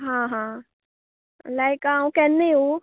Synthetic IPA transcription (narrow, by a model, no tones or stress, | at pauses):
ɦãːɦãː | lajkaũkɛnːeu